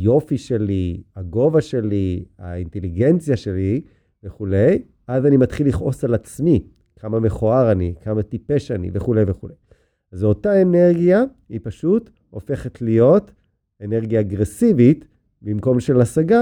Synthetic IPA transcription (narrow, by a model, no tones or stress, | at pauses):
jo̞fiʃe̞liaɡo̞vaʃe̞lia̰inte̞liɡe̞nt͡sjaʃe̞li | veχule̞j | ʔazanimatχiliχʔo̞salat͡smi | kʰamame̞χoaʁanikʰamatipe̞ʃanḭveχule̞jveχulej | azotaeneʁɡija | ipaʃut | ʔo̞fe̞χetlijo̞t | eneʁɡjaːɡʁesivit | bimko̞mʃe̞lasaɡa